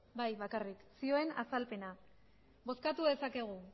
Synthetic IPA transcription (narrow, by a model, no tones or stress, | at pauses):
bajβakariksio̞e̞na̰salpe̞na | bo̞skat̪uðe̞sake̞ɣ̞u